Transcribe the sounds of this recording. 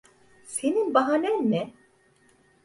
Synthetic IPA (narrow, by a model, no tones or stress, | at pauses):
seninbɐɦanɛnmɛ